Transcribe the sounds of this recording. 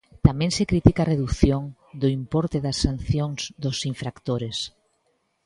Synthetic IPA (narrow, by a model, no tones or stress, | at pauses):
t̪amẽŋsekɾit̪ikareðuθjoŋ | d̪ʊimpɔɾt̪eðɐsːan̟θjoŋz̥d̪ʊsiɱfɾakt̪oɾes